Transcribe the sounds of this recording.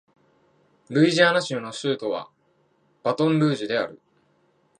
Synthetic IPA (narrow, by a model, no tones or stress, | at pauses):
ɾɯ̟iʑaːnaɕɯːno̞sɨːt̪o̞βa̰ | b̥at̪õ̞nɾɯ̟ːʑid̪e̞aɾɯ̟